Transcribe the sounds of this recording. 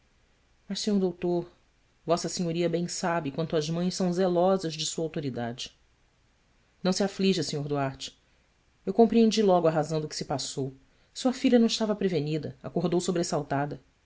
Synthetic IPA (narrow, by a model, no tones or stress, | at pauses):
mɐʃsẽɲoɾd̪owt̪oɾ | vɔsɐseɲoɾiɐbẽj̃sabɪkwɐ̃nt̪ʊɐzmɐ̃j̃ʃsɐ̃w̃zelɔzɐzd͡ʒɪsuɐawt̪oɾid̪ad͡ʒɪ | nɐ̃w̃siafliʒɐsẽɲoɾd̪uaɾt͡ʃɪ̥ | ewkõmpɾiẽnd͡ʒilɔɡʊɐɦazɐ̃w̃d̪ʊkɪ̥sɪpasow | suɐfiʎʲɐnɐ̃w̃ɪʃt̪avɐpɾevenid̪ɐa̰koɦd̪owsobɾesawt̪ad̪ɐ